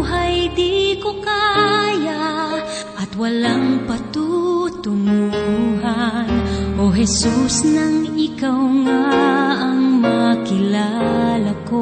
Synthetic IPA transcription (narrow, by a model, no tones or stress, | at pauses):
ɦajd̪ikokaja | ʔɐt̪wɐlaŋpɐt̪ut̪ʊmuuɦanʔoɦɛsusnɐŋɪkawŋaɐŋmɐkɪlalako